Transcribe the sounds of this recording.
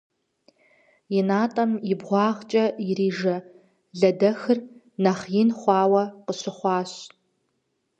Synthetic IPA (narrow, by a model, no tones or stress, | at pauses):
jɪnaːtʼɐmjɪbʁʷɑːʁt͡ʃʼɐjɪɾiːʒɐ | ɮɐdɐxɨr | nɐχjinχʷɑːwɐqəɕɪχʷɑːɕ